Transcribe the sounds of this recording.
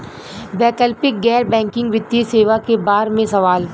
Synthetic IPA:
bɛːkəlpɪk̚ɡɛːɾbɛ̃ːŋkɪ̃ŋɡʋɪd̪iseːʋakebaːɾmẽsɐʋaːl

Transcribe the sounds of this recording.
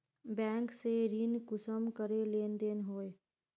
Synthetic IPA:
bɛ̃ːŋkseɾinkʊsəmkəɾeleːnd̪eːnɦoːe

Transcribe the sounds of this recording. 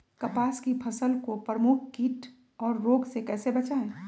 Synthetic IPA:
kɐpaːskipʰɐsəlkopɾɾəmʊk̚ʰkiːʈ | ɔːɾːoːɡsekɛːsebɐt͡ʃaẽ

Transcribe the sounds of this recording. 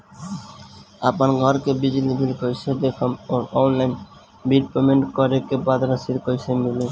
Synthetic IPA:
apanɡʱɔɾkebid͡ʑilibʱilkojsʰed̪ekʰomoɾɔnlajn | biɖpemeɳʈkɔɾekebad̪ɾasiɾkojsʰemile

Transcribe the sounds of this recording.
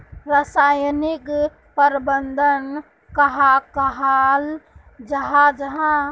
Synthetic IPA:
ɾəsaːjnɪk | pəɾbənd̪ʱən | kɐɦakəɦaːl | d͡ʒɐɦad͡ʒɐɦã

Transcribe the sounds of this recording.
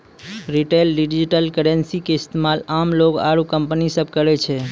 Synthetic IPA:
ɾiʈelɖiɖd͡ʒiʈəlkəɽensikeɪst̪emalamloka̰ɾukəmpnisəb̚ʱkəɾɛt͡ʃʰe

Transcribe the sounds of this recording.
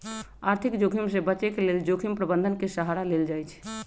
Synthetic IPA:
aɾt̪ʰikd͡ʒokʰimsebət͡ʃekeleld͡ʒokʰimpɾəbənd̪ʱənkesəɦaɾaleld͡ʒaːjt͡ʃʰ

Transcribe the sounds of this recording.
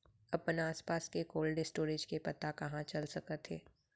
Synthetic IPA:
ɐpnaːspaːskekoːlɖɪsʈoːɾed͡ʒkepɐt̪akɐɦãt͡ʃɐlsɐkət̪ʰeː

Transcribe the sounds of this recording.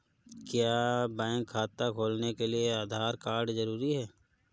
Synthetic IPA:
kjaːbɛ̃ːŋkʰːaːt̪akʰoːlnekelieaːd̪ʱaːɾkaːɾɖzəɾuːɾiɦɛː

